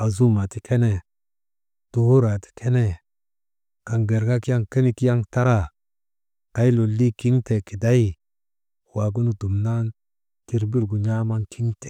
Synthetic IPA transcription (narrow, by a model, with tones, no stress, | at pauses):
a˨zu˦ma˨ti˦kʰe˦ne˨ | to˨ho˦ɾa˨ti̥˨kʰe˦ne˦ | ka˨nɡe˨ɾɡa˦ki˦ja˦ŋke˦ni˦ki˦ja˦ŋta˦ɾa˦˨ | ka˨˦i˦lo˨lːi˦ki˦ŋte˨ki˨da˦ji˦ | wa˨ɡ̬u˦nu˨du˨mna˦n | ti˨ɾbi˦lɡu˨ɲa˦ma˦ŋkʰi˦ŋte̥˨